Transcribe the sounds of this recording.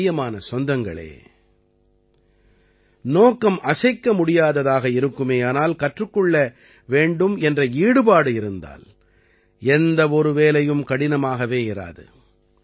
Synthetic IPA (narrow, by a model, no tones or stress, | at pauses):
jɐmaːnɐsɔnd̪ɐŋɡɐ̰ɭḛː | noːkːɐmʔɐsɐɪkːɐmʊɽɪjaːðɐðaːɣɐɪɾɯkːɯmeːaːnaːlkɐʈrɯkːɔɭːɐ | ʋeːɳɖɯmɛndrɐiːɽɯbaːɽɯɪɾɯnd̪a̰ːl | ɛnd̪ɐɔɾɯʋeːlɐjɯmkɐɽɪnɐmaːɣɐʋeːɪɾa̰ːðɯ̰